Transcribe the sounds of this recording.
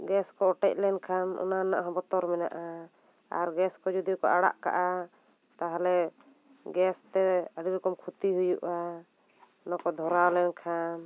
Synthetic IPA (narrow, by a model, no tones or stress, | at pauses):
ɡɛskɔɔʈɛc̚lɛnkʰanɔ̰nana̰ʔɦɔbɔt̪ɔɾmɛna̰ʔa | a̰ɾɡɛskɔd͡ʒud̪ikɔʔaɽa̰ʔka̰ʔa | t̪aɦalɛ | ɡɛst̪ɛəɽiɾɔkɔmkʰut̪iɦujuʔa | ɔnakɔd̪ʱɔɾawlɛnkʰan